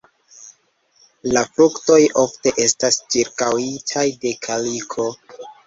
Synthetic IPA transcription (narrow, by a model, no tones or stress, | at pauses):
lafɾukto̞jo̞fte̞ʔe̞stast͡ʃiɾkawitʰajde̞kʰalikʰo̞